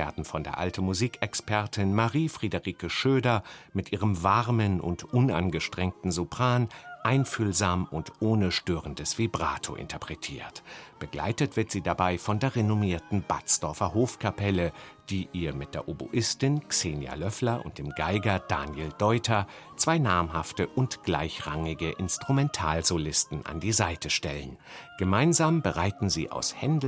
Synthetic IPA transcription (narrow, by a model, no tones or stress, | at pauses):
veːɐdn̩fɔndeːɐʔa̰ltn̩muziːkɛkspʰɛɐtʰɪnmaʁiːfʁ̥idəʁiːkəʃøːdɐmɪtʔiːʁ̞əmvaʁmənʊ̰ntʔʊna̰nɡəʃtʁ̥ɛŋk̚tn̩zupʁ̥aːnʔaɪnfyːlzaːmʊntʔoːnəʃtøːʁəndəsv̥iːbʁaːtʰo̰ʔɪ̰ntʰɐpʁ̥ɛtʰiːɐtb̥əɡla̰ɪtətv̥ɪɐtz̥iːdabaɪfɔndeːɐʁenʊmiːɐtn̩bat͡sd̥ɔɐfɐɦoːfkʰapɛləd̥iːʔiːɐmɪt̚d̥eːɐʔobṵʔɪstɪnkseːnja̰lœflɐʔʊ̰nt̚d̥eːmɡaɪɡɐd̥aːnjeldɔʏtʰɐ | t͡sv̥aɪnaːmɦaftəʔʊntɡ̥la̰ɪçʁaŋɪɡəʔɪnstʁ̥umɛntʰaːlzolɪstn̩ʔa̰ndiːzaɪtəʃtɛlən | ɡ̥əmaɪnzaːmbəʁaɪtn̩ziːʔa̰ʊshɛnd